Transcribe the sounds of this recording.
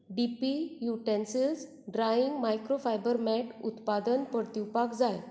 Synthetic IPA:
ɖipijuʈẽnsid͡z | ɖɾaiŋɡmajkɾofajbəɾmɛʈut̪pad̪ənpəɾt̪iwpakd͡zaj

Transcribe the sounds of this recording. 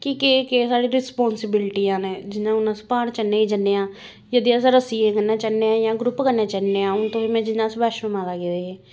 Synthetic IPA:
kikeːkeːsaːɽiːɾɪspɔːnsɪbɪlʈijãːnẽːd͡ʒɪnãːʊnãːspaːɽt͡ʃənːẽːiːd͡ʒənːeːãː | jəd̪iːasɾəsiːẽːkənːãːt͡ʃənːeːãːjãːɡɾʊpkənːẽːt͡ʃənːeːãːʊnt̪õːiːmɛ̃ːd͡ʒɪnːãːsbaːʃməmaːd̪aːɡed̪eːɦeː

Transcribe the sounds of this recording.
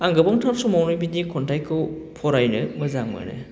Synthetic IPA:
aŋɡɯbaŋtʰaɾsɔmawnɯbinikʰɔntajkʰːɯwpʰɔɾajnɯmɯzaŋma̰nɯ̰

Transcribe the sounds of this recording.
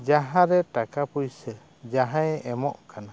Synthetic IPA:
d͡ʒaɦãɾɛʈakapujsə | d͡ʒaɦãjɛmɔʔkana

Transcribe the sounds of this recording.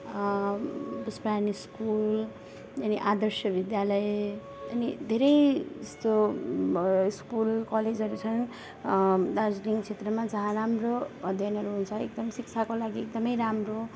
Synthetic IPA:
bʌspɾaniskul | ʌniʔad̪ʌrsjʌbid̪jalʌe | ʌnid̪ʱeɾʌjd͡zest̪o | skulkʌled͡zɦʌɾut͡sʰʌn | lad͡zniŋt͡sʰet̪rʌmad͡zʌɦãramrobʌd̪jʌnɦʌɾuɦunt͡sʰʌek̚d̪ʌmsik̚t͡sʰakolaɡiek̚d̪ʌmʌjɾamro

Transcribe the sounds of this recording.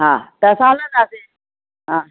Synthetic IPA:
ɦãːt̪ɐɐsãlə̃nd̪aːse | ɦãː

